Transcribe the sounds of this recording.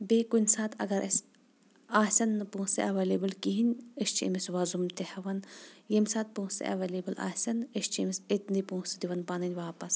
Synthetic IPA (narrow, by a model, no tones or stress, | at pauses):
beːkunʲsaːt̪ɐ̰ɡɐɾʔɐs | aːsʲɐnːɨpũːsɐ̰ʔɐʋɐleːbɨlkiɦinʲeʃt͡ʃḭmisʋɐzumt̪ehɐʋɐnjemʲsaːt̪̚pũːsɐ̰ʔɐ̰ʋɐleːbɨlʔa̰ːsʲɐneʃt͡ʃʰimiset̪nd̪ipũːsid̪iʋɐnpanɐnʲʋaːpɐs